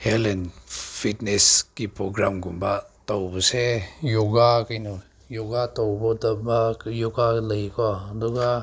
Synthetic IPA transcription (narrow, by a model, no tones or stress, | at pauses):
hɛlɛnfʰit̚nɛskipɾɔɡɾamɡumbat̪ɔwbɔsɛjuɡakajnɔ | juɡatɔwbɔtɔbajuɡaləjkɔdɔɡa